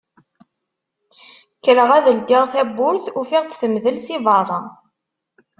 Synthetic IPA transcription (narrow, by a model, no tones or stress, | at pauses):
kːɾəʁæðəld̪iʁθæbːʊɾθufiʁt̪θəmðəlsiðɑrˤːɑ̰